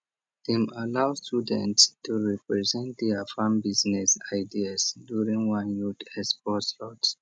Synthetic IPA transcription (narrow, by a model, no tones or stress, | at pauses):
dĩmalaʊstudə̃ntstuɹɛpɹɛzɛ̃nt̚dɛafãmbiznɛsaɪdiasdjuɹĩŋwãnjɔdɛspɔtslɔt